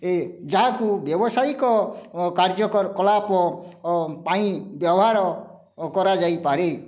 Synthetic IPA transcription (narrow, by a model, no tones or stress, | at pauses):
ed͡ʒaɦakubjɔbɔsajkɔkaɾd͡ʒɔkɔɾkɔlapɔ | pãĩbjɔbɔɦaɾɔ | kɔɾad͡ʒajpaɾe